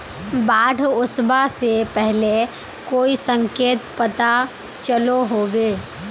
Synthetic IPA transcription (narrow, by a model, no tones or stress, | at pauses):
baːɽʊsbasepɛɦle | koːisə̃ŋkeːt̪pɐt̪a | t͡ʃəloɦoːɡeː